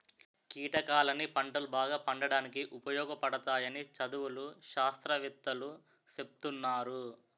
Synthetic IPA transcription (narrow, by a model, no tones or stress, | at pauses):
kiːʈɐkaːlɐnipɐɳʈɐlubaːɡaːpɐɳɖɐɽaːnikiʔupɐjɔːɡɐpɐɽɐt̪aːjɐnit͡ʃɐd̪uwuluʃaːst̪ɾɐʋit̪ːɐlu | t͡ʃep̚t̪unːaːɾu